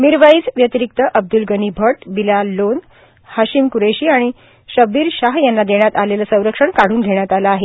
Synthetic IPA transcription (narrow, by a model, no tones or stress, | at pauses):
miɾʋaid͡zʋjət̪iɾik̚t̪əʔəb̚d̪ulɡənibʱəʈbilalon | haɕimkuɾeɕiːaɽ̃i | ɕəbiːɾɕaɦjanːad̪eɳ̃jat̪aleləsə̃w̃ɾəkʂəɳkaɽ̤uːnɡ̪ʱeɽ̃jat̪alaːɦe